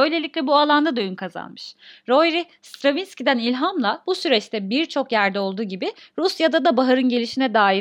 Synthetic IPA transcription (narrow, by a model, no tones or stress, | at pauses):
ø̞jlʲe̞lʲiclʲɛbualˠand̪ad̪ojynkʰaza̰nmɯʃɾo̞jɾi | st̪ɾovinscʲid̪ænilʲɦamlˠabusyɾɛt͡ʃt̪ʰɛbiɾt͡ʃʰo̞kjæɾd̪ɛo̞lˠd̪uːɟibɪɾusjad̪ad̪abaɦaɾɯnɟe̞lʲiʃinɛd̪aːi